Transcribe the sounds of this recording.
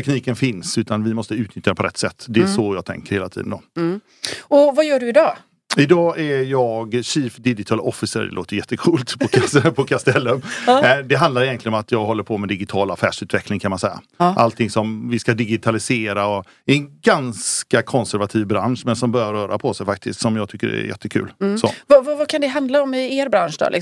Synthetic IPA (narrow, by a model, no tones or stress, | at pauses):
t̪ɛkniːkənfɪnsʉ̟ːt̪anvɪmɔst̪əʉ̟ːt̪nʏt̪jad̪ɛpʰɔɾɛ̰t̪ːsɛt̪ːd̪ɛæʂɔjɑːɡ̚t̪ʰɛ̰ŋkəɾheːlat̪ʰḭːd̪ənd̪oː | ɔvajœːɖɵɪd̪ɑː | ɪd̪ɑːʔæjɑːɡɕiːfd̪ɪd͡ʒɪt̪ʰɑːlɔfːɪsə̰ɾɖɛ̰lo̰ːt̪əjʏjɛt̪ːəkʰuːlt̪pʰɔkʰapʰɔkʰast̪ɛlːəmd̪ɛɦand̪aɾɪjɛnt̪lɪəɔmat̪ʰjɑːɡɦɔlːəɾpʰɔmɛd̪ɪɡɪt̪ʰɑːlafæ̰ːʂʉːt̪vɛklɪŋkʰanmansɛjːa̰ | ʔalt̪ʰɪŋsɔmvɪskad̪ɪɡɪt̪ʰalɪseːɾaɔ | ɪɛnɡanskakʰɔnsæɾvat̪ʰiːvbɾa̰nʂmɛnsɔmbœːɾjaɾːœːɾa̰pʰɔsɛjfak̚t̪ʰɪ̰skt̪sɔmjɑːɡt̪ʰʏkːə̰ɾɛ̰jɛ̰t̪ːəkʰʉ̟ːlso̰ːvavavakʰand̪ɛɦand̪laɔmɪeːɾbɾanʂd̪ɔ̰ːlʔɪ̰